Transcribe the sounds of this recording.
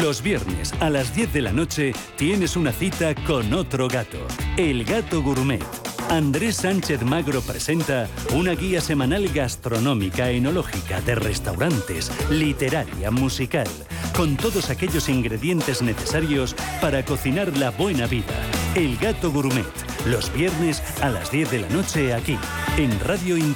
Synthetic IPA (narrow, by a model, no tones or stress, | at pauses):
lo̞zβje̞ɾne̞̰salazðje̞θðe̞la̰no̞t͡ʃe̞ | t̪je̞ne̞sunaθit̪ako̞no̞t̪ɾoɣat̪o̞̰elɣat̪o̞ɣuɾmḛt̪and̪ɾesːant͡ʃe̞θmaɣɾo̞pɾe̞se̞nt̪a | unaɣiase̞manalɣast̪ɾo̞nõ̞mikaeno̞lo̞xika̰ðe̞re̞st̪awɾant̪e̞̰slit̪e̞ɾaɾja̰musikal | ko̞nt̪o̞ðo̞sake̞ʎo̞siŋɡɾe̞ðje̞nt̪e̞zne̞θe̞saɾjo̞spaɾako̞θinaɾlaβwe̞naβiða̰elɡat̪o̞ɣuɾmḛt̪ | lo̞zβje̞ɾne̞s | ala̰zðje̞θðe̞la̰no̞t͡ʃe̞aki | enraðjoin